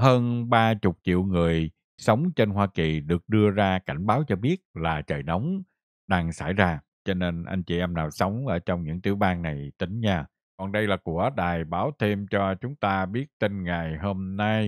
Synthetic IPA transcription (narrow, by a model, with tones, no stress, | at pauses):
həː˧nɓaː˧t͡ɕʊ˨˩k͡p̚t͡ɕḭ˧˨wŋɨ˨˩əj | sə˨˦wŋ͡mt͡ɕe˧nhwaː˧ki˨˩ɗɨ˨˩ək̚ɗɨ˧əzaː˧ka˧˩jŋ̟ɓaː˨˦wt͡ɕɔ˧ɓi˦˥ət̚laː˨˩t͡ɕəː˨˩jnɔ˨˦wŋ͡m | ɗaː˧ŋsa̰˧˩jzaː˧ | t͡ɕɔ˧ne˧nʔa̰˧jŋ̟t͡ɕḭ˨˩ʔɛ˧mnaː˨˩wsə˨˦wŋ͡mʔəː˧˩t͡ɕɔ˧wŋ͡mɲɨ̰˧˥ŋt̪ḭ˧˩əwɓaː˧nna˨˩jt̪ï˨˦ŋ̟ɲaː˧ | kɔ˨˩nɗə˧jlaː˨˩ku˧˩əɗaː˨˩jɓaː˨˦wt̪ʰe˧mt͡ɕɔ˧t͡ɕʊ˨˦ŋ͡mt̪aː˧ɓi˦˥ət̚t̪i˧nŋa˨˩jho˧mna˧j